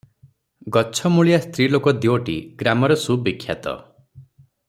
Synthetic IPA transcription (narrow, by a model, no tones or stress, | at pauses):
ɡɔt͡ʃʰɔmuɭijast̪ɾilokɔd̪iwɔʈḭɡɾamɔɾɔsubikʰːja̰t̪ɔ̰